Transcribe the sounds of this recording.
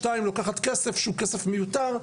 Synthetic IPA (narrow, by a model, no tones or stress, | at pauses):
taimlokaχat̪kesefʃukesefmejut̪aʁ